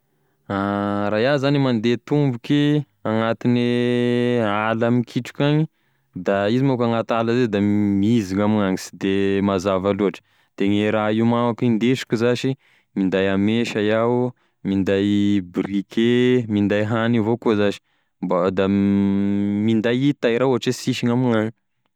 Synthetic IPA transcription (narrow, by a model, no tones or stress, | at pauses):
aɾajazanimand̪et̪umbuke | aŋat̪ini | alamikʰiʈ͡ʂu̥kʲaɲi | d̪aizimokaŋat̪aləzed̪amiiziŋamiŋaŋisi̥d̪emazavaluaʈ͡ʂə̥ | d̪̥eŋeɾaiumawakind̪eʃi̥kʲuzaʃi | mind̪ajameʃajaw | mind̪ajbrikʰemind̪ajɦanivokuzaʃi̥ | mbad̪a | mind̪ajit̪ajɾauɦaʈ͡ʂesiʃiŋamiŋaɲi